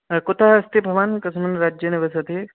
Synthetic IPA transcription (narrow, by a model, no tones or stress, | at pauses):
kʊt̪aɦɐst̪ibʱɐʋaːnkɐsmɐnɾaːd͡ʒjɐnɐʋɐsɐt̪i